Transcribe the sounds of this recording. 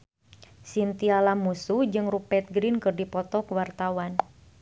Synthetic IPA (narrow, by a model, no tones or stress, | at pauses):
sint̪ialamusuhd͡ʒɨŋrupɛt̪̚ɡɾinkɨrdipɔt̪ɔkəwart̪awan